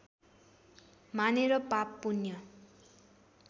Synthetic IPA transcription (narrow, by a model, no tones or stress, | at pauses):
maneɾʌpapːunjʌ